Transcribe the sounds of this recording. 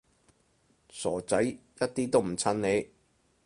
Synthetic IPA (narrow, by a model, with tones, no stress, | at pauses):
sɔː˨˩t͡sɐ˨˥jjɐ˥t̚t̪iː˥t̪o˥wm̩˨˩t͡sʰɐ˥nne˨˧j